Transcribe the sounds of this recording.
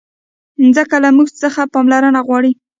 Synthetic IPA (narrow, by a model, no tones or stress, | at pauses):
nzəkalamuɡt͡səxapɑmlaɾənaɣwɑɽi